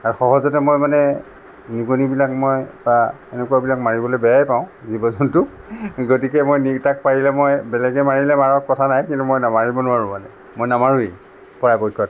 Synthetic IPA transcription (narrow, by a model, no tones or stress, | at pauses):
aɹuxɔɦɔzɔtɛmojmanɛ | nikunibilakmojba | enɛkuabilakmaɹibɔlojbɛjajpaʊ̃zibɔzɔntʊ | ɡotikɛmojnitak̚paɹilɛmojbɛlɛɡɛmaɹilɛmaɹɔkɔtʰanajkintumojnamaɹibɔnʊaɹũmanɛ̰ | mojnamaɹui | pɔɹajbɔjkʰːɔt